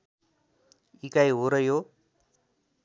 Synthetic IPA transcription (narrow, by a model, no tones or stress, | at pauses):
ikajɦoɾəjo